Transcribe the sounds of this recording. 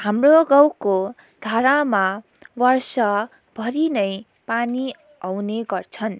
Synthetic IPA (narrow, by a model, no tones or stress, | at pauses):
hamroɡawko | d̪ʱaɾama | wʌrsʌ | bʱʌɾinʌj | pani | awneɡʌrt͡sʰʌn